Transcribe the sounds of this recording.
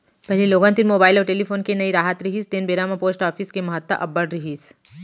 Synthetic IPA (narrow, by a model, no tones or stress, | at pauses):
pɛɦliloːɡãnt̪inmoːbaːɪlɔːɾʈeːlipʰoːnkenɐiɾaːɦət̪ɾɪɦiːst̪eːnbeːɾaːmapoːsʈaːfʰiːskemɐɦət̪ːa̰ʔɐbːəɽɾɪɦiːs